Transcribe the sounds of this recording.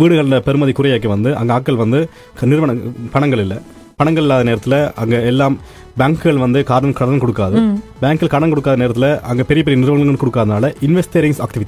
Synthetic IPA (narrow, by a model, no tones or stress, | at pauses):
ʋiːɽɯɣɐɭɳɖɐpɛɾɯmɐðikʊɾɐjaːkːɐʋɐnd̪ɯʔɐ̰ŋɡɐaːkːɐɭʋɐnd̪ɯ | knɪɾɯʋɐɳɐpɐɳɐŋɡɐɭɪlːɐ | pɐɳɐŋɡɐɭɪlːaːðɐneːɾɐt̪ːɪlɐɐŋɡɐɛlːaːm | baːŋkɯɣɐɭʋɐnd̪ɯkaːɾɐnɐmkɐɽɐnɐmkɔɽɯkːaːðɯbaːŋkɐlkɐɽɐmkɔɽɯkːaːðɐneːɾɐt̪ːɪlɐʔɐŋɡɐpɛɾɪjɐp̬ɛɾɪiɐnɪɾɯʋɐɣɐŋɡɐɭkɔɽɯkːaːðɯnaːlɐɪnʋɛsʈeːɾɪŋsaːk̚ʈɪʋɪtːi